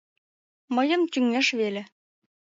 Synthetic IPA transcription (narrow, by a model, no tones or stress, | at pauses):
mɤ̆jɤ̆mt̪ʲyŋːeʃβelʲĕ